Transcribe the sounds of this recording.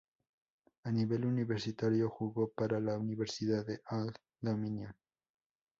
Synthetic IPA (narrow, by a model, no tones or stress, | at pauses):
aniβe̞luniβeɾsit̪aɾjoxuɣopaɾalauniβeɾsiðaðeʔalt | d̪omĩnjõn